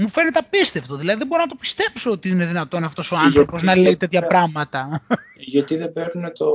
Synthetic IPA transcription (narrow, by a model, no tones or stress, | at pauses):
mufe̞net̪eɐpist̪eft̪oðilɐðiðeboɾonɐt̪opi̥st̪e̞pso̞ot̪iine̞ðinɐt̪o̞nɐft̪o̞so̞ɐnθθɾo̞po̞znɐleit̪e̞t̪çɐpɾɐɣmɐt̪ɐ | ʝɐt̪iðebeɾunet̪o